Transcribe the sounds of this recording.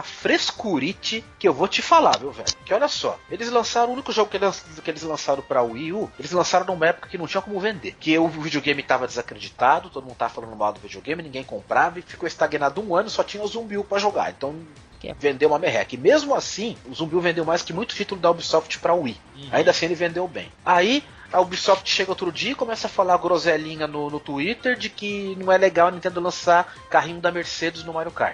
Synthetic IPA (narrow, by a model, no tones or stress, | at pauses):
ɐfɾeskuɾit͡ʃɪkɪewvot͡ʃɪfalaɾmewvɛ̰ʎʊkɪɔʎʲɐsɔ̰elɪzlɐ̃saɾɐ̃ũnikʊʒoɡʊkelɐ̃skɪelɪzlɐ̃saɾɐ̃w̃pɾɐuiuelɪzlɐ̃saɾɐ̃nɐ̃ũmɐɛpʊ̥kɐkɪnɐ̃w̃t͡ʃĩɐ̃kõmʊvẽnd̪eɾkɪʊvid͡ʒioɡẽj̃mɪt̪avɐd̪ɪzakɾed͡ʒit̪ad̪ʊt̪od̪mũd̪ʊt̪avɐfalɐ̃nʊma̰wd̪ʊvid͡ʒioɡẽj̃mɪnĩɡẽj̃kõmpɾavɐɪfi̥koɪst̪aɡinad̪ʊũɐ̃nʊsɔt͡ʃĩɲɐʊzũbiwpɾɐʒoɡa̰ɾḛ̃nt̪ɐ̃w̃ | vẽnd̪ewumɐmeɦɛ̰kɪmezmʊasĩʊzũbiwvẽnd̪ewmajskɪmũj̃t̪ʊ̥t͡ʃit̪ʊlʊd̪ɐobisɔft͡ʃɪ̥pɾɐui | aĩnd̪ɐsĩelɪvẽnd̪ewbḛ̃j̃ai | ɐobisɔft͡ʃɪ̥ʃeɡɐot̪ɾʊd͡ʒiɐikõmɛsɐfalaɾɡɾozɛlĩɲɐnʊnʊt̪uit̪eɾd͡ʒɪkɪnɐ̃w̃ɛleɡawɐnĩt̪ẽd̪ʊlɐ̃sa | kaɦĩɲʊ̃d̪ɐmeɾsed͡ʒɪznʊmaɾjʊka̰ɾ